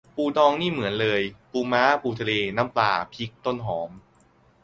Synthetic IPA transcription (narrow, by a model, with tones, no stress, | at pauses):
puː˧˩dɔː˧ŋniː˥˩mɯ˩˦ənlɤː˧jpuː˧maː˦˥puː˧t̪ʰa˧leː˧na˦˥mpla̰ː˨˩pʰi˦˥k̚t̪o˥˩nɦɔː˩˦m